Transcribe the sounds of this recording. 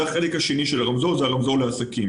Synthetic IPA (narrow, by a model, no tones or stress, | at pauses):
aχe̞lekhaʃeniʃelaʁamzo̞zeaʁamzoleasakim